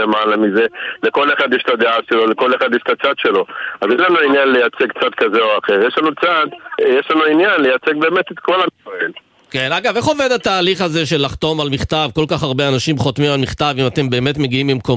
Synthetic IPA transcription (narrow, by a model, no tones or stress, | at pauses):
emalamize̞leko̞leχad̪jeʃtad̪eaʃelo̞leko̞leχad̪jeʃtat͡sad̪̥ʃe̞lo̞azjeʃlanuinjanlejat͡seɡkt͡sad̪kazeoaχe̞ʁjeʃlanut͡sad̪jeʃlanuinjanlejat͡se̞ɡ̚be̞ːmet̪et̪ko̞lamisael | kenaɡave̞χo̞ved̪at̪aːliχaze̞ʃ̬e̞lːaχt̪o̞malmiχt̪avkolkaχaʁbeanaʃimχot̪mimalmiχt̪avimat̪e̞mbe̞ːme̞tme̞ɡiimbimko̞